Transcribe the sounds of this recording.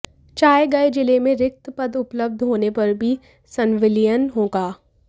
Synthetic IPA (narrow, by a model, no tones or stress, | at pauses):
t͡ʃaːeɡɐed͡ʒɪlemẽɾɪk̚t̪pɐd̪ʊpləb̚d̪ʱɦoːnepɐɾbʱi | sɐnʋɪlijənɦõːɡaː